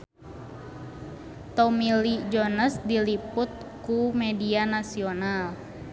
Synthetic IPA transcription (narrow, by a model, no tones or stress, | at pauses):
t̪omilid͡ʒɔnəsdilipʊt̪̚ | kumɛdianasional